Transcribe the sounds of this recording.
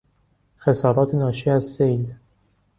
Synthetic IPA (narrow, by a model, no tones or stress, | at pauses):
xesɒːɾɒːt̪ʰenɒːʃiːæzsejl